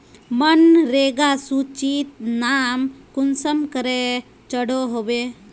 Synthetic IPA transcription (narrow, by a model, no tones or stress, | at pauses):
mənɾeɡasut͡ʃit̪naːmkʊnsəmkəɾe | t͡ʃəɽoɦobe